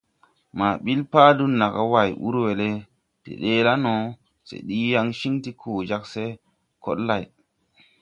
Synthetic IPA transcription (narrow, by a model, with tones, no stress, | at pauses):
ma˨ɓi˦lpa˦du˦nːa˨ka˦wa˨jʔṵ˦ɾwe˨le˦ | tḛ˨ɗe˦la˦no˨ | sḛ˨ɗi˦ja˦ŋʃi˦ŋti˦kʰoː˨d͡ʒa˦kse˦ | ko̰˦ɗla˨j